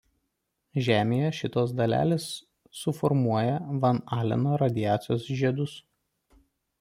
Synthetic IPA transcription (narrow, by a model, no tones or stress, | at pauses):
ʒʲæːmʲeːjɛʃʲɪt̪oːs̬d̪ɐlʲæ̰ːlʲeːsː | ʊfɔɾmuɔjɛʋɐnɑːlʲɛ̰noːɾɐd̪ʲɪjæːt̪sʲɪjoːsʒʲiɛd̪ʊs